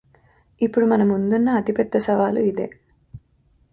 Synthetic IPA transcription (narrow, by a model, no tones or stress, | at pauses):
ipːuɽumɐnɐmund̪unːɐːt̪ipɛd̪ːɐsɐʋaːluid̪e̞̰ː